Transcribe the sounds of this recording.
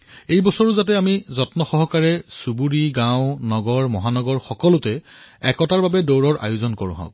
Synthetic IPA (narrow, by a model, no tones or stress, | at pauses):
ejbɔsɔɹʊzat̬ɛamizɔtnɔxɔɦɔkaɹɛsubuɹiɡãʊ̃nɔɡɔɹmɔɦanɔɡɔɹxɔkɔlʊtɛ | ɛkɔtaɹbabɛdowɹɔɹʔa̰jʊzɔnkoɹʊ̰̃ɦɔ̰̃k̚